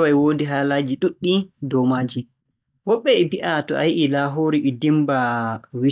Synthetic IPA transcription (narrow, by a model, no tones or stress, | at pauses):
wajwodiɦaːlaːd͡ʒiɗuɗːidɔmaːd͡ʒi | wɔɓːɛɛbiʔatɔ̰ʔa̰jiʔilaɦoɾiʔidimbawi